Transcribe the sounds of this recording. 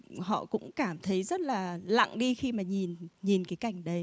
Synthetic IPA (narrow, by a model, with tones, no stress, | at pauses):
ɦɔ̰˧˨kʊ̰˧˥ŋ͡mkaː˧˩mt̪ʰə˨˦jzə˦˥t̚laː˨˩la̰˧˨ŋɗi˧xi˧maː˨˩ɲi˨˩nɲi˨˩nkaː˨˦jka˧˩jŋ̟ɗə˨˧j